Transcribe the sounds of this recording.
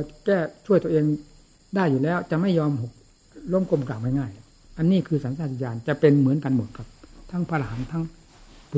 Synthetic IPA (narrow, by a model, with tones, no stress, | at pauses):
kɛː˥˩t͡ɕʰu˥˩əjt̪u˧ʔeː˧ŋ | daː˥˩jːuː˨˩lɛː˦˥˩wt͡ɕa˨˩ma˥˩jːɔː˧mho˨˩k̚ | lo˧˥˨mkʰo˧˨mklaː˨˩wma˥˩ŋaː˥˩jl | ʔa˧nːiː˥˩kʰɯː˧saː˨˦nsaː˧˩i˧t͡ɕaː˧nt͡ɕa˨˧pe˧nmɯ˩˦ənka˧nmu˩˦nkʰa˧p̚t̪ʰa˧˥ŋpʰaː˧la˧ɦaː˩˦nt̪ʰaː˧˥˨ŋ | p